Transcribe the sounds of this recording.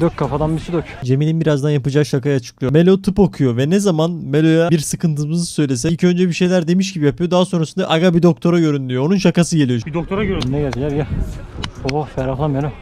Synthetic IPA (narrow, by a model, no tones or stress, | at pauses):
d̪øc̚kʰːafad̪anbisyd̪øcd͡ʒe̞milʲinbiɾazd̪anjapɯd͡ʒakʃakajat͡ʃʰɯ̥klˠɯjomelʲot̪ʰɯpo̞kʰujo̞vɛnɛzamanmelʲo̞jabiɾsɯkʰɯnt̪ʰɯmɯzɯsø̞jlʲe̞s̬ɛilʲcʰø̞nd͡ʒɛbiʃe̞jlʲæɾd̪e̞miʃ̬cibijapʰɯjo̞d̪aːaso̞nɾasɯnd̪a̰ʔaɡabid̪o̞k̚t̪ʰo̞ɾaɟø̞ɾynd̪yjo̞onunʃakasɯɟe̞lʲijoid̪ok̚t̪ʰoɾaøɾnɛjazilʲæɾja | ofɛɾalˠamalo